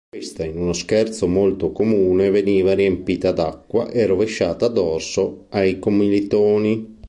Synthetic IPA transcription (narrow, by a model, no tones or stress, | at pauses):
west̪ainunoskɛrt̪somolt̪okomuːneveniːvaɾiempiːt̪ad̪akːwa̰ʔerɾoveʃːaːt̪aːd̪ɔrsoajkomilit̪oːni